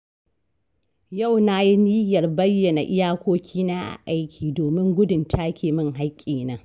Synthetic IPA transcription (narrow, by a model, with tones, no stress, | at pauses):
ja˦˨wna˦ji˦ni˦jɐ˨rbɐ˦jːɐ˨na˨ʔɪ˦jaː˦kʷoː˦kʲʰiː˦naː˦ʔa̰˨ʔa˦jkʲʰiː˨doː˨mɪ˦ŋɡʷʊ˦dʊ˨ntʰaː˦kʲeː˨mɪ˦ŋɦa˦kʲʼːiː˨na˦